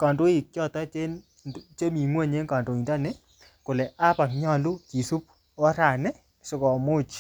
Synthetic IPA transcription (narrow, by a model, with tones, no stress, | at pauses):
ka˨ndo˦i˨k̚t͡ʃjɔ˦˨tɔ˦t͡ʃe˦ | t͡ʃe˦mi˨ŋwe˦˨ɲe˦ŋka˨ndo˨i˨nda˦ne˦ | kʊ˨lɛ˨ʔa˦pa˨kɲɔ˦lu˦ki˨su˦p̚ | ɔ˦ɾa˨nɛ˦ | sʊ˦kɔ˨mo˦t͡ʃ